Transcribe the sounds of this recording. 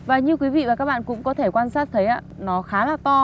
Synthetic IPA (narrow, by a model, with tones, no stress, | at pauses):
vaː˨˩ɲɨ˧kwi˨˦vḭ˧˨vaː˨˩kaː˦˥k̚ɓa̰ː˧˨kʊ̰˧˥ŋ͡mkɔ˨˦t̪ʰe˧˩kwaː˧nsaː˦˥t̚t̪ʰə˨˦jʔa̰ː˧˥nɔ˨˦xaː˨˦laː˨˩t̪ɔ˧